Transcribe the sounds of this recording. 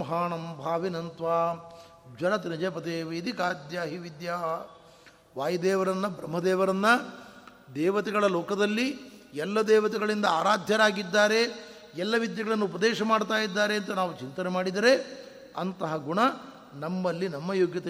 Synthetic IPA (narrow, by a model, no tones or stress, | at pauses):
ɐɦaːɳɐmbʱaːʋinɐnt̪ʋaː | d͡ʒɐlɐt̪inɐd͡ʒepɐt̪eːʋed̪ikaːd̪jaːɦiʋid̪jaː | ʋaːjɐd̪ɛːʋɐɾɐnːɐbɾɐmɦɐd̪ɛːʋɐɾɐnːɐ | d̪ɛːʋɐt̪ɛɡɐɭɐloːkɐd̪ɐlːiɛlːɐd̪ɛːʋɐt̪ɛɡɐɭind̪ɐaːɾaːd̪ʱjɐɾaːɡid̪ːaːɾe̞ | ɛlːɐʋid̪jɐɡɐɭɐnːuupɐd̪ɛːʃɐmaːɽt̪aːjid̪ːaːɾeːnt̪ɐnaːʋut͡ʃint̪ɐnemaːɽid̪ɐɾe̞ | ɐnt̪ɐɦɐɡuɳɐ | nɐmːɐlːinɐmːɐjoːɡjɐt̪ɐ